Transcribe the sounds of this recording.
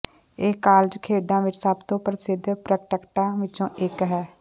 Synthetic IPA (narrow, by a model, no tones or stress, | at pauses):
eːkaːld͡ʒkʰeːɖãːʋɪt͡ʃsəbt̪õːpɾəsɪd̪ʱpɾək̚ʈəkʈãːʋɪt͡ʃõːʔɪkɦɛː